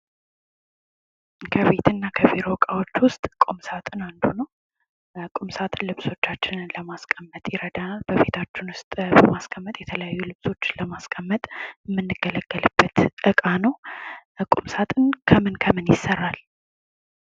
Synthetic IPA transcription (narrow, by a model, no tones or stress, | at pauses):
kʰəβe̞t̪ʰɨnːakʰəviɾo̞kʼawo̞t͡ʃːwʊst̪ʼkʼomsat̪ʼɨnand̪unəw | kʼumsat̪ʼɨlɨβso̞t͡ʃːat͡ʃːɪnləmaskʼəmːət̪ʼjɪɾəd̪analbəβe̞t̪ʰat͡ʃːɪnwʊst̪ʼbəmaskʰʼəmːət̪ʼjɛt̪ʰələjajːulɨβso̞t͡ʃːləmaskʼəmːət̪ʼmːɨnːɨɡ̥ːələɡ̥ːəlɨb̥ːət̪ʔɨkʼanəw | kʼumsat̪ʼɨnkʰəmɨnkʰəmɨnjɪsːərːal